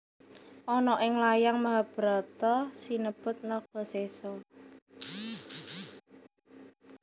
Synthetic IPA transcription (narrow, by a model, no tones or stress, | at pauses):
ʔɔnɔʔɪŋlajaŋmaɦab̥ɾɔt̪ɔsinəb̥ʊt̪̚nɔɡ̥ɔsesɔ